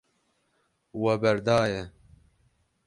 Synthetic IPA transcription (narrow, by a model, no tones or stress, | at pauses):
wɛbɛɾd̪aːjɛ